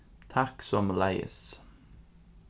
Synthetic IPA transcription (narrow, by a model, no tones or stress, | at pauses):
t̪ʰæksɔmlæɪə̰s